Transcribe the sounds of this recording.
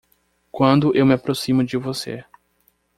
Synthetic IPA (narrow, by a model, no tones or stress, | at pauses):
kwɐ̃nd̪ʊʔewmɪapɾosĩmʊd͡ʒɪvosḛ